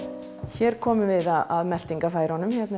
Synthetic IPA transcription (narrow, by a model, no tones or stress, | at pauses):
çɛɾ̥kʰɔːmʏvɪðaðaðmɛl̥t̪iŋkafaːjɾɔnʏmçɛt̪na